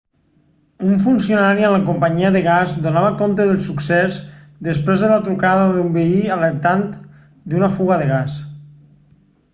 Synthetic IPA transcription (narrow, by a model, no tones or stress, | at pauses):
uɱfunsionaɾiənləkumpəɲiəðəɣazd̪unaβəkont̪əðəlˠsuksɛz | ðəspɾezðəlat̪ɾukaðəðumbəiələɾt̪ant̪ | d̪unəfuɣəðəɣ̞as